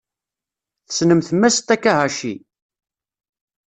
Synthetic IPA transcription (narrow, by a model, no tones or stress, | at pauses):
θə̥snəmθmːæst̪ækːæʁaʃi